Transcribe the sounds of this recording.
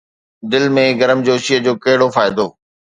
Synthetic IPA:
d̪ɪlmẽɡɐɾəmd͡ʑoːʃiəd͡ʑoːkɐɦɪɽofaːɪd̪oː

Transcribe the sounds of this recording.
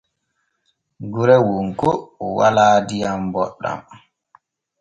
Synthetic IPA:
ɡuɾɛwuŋkoɔwalaːdijambɔ̰ɗːa̰m

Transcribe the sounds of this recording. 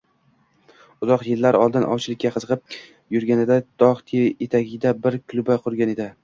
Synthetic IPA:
ʊzɒqjɪlːaɾɒlˠd̪ɪnʔɒ̰wt͡ʃʰɪlɪkʲːaqʰɨzɨqʰɨp̚ | jʊɾɡʲanɪd̪ad̪̥ɒʁt̪ʰeet̪ʰaɡʲɪd̪abɪɾkʰʊlˠʊbaqʰʊɾɡʲane̞d̪ɪ

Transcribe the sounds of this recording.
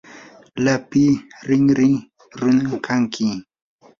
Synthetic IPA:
lapiɾiŋɾiŋ | ɾunaŋkʰaŋkʰi

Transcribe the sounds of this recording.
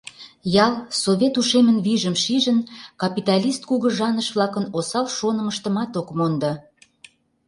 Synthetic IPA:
jɑlˠsoβʲet̪uʃemənβiʒəmʃiʒənkɑpit̪ɑlʲist̪̚kuɣə̆ʒɑnəʃβlɑkənosɑlʃonə̆məʃt̪əmɑt̪okmond̪ɑ

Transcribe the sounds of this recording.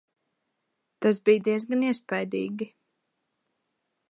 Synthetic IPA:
t̪az̬bijd̪iɛzɡaniɛspajd̪ḭːɡi

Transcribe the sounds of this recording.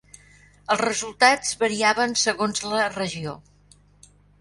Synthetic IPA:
əlˠzrəzulˠt̪ad͡zβəɾiaβənsəɣonzlərəʒio

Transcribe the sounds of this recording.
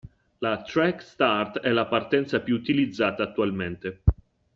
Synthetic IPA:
lat̪ɾɛkst̪art̪ɛlapart̪ɛnt̪sapjuut̪ilid̪zːaːt̪aːt̪ːualment̪e

